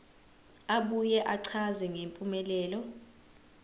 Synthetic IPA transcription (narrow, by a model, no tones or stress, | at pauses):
aɓujɛʔaǀʰazɛŋempʼumɛlɛːlɔ